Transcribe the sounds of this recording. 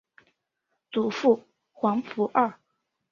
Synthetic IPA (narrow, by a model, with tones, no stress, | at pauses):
t͡su˨˩fu˥˩ | xwɑ˧˥ŋfu˧˥ʔə˥˩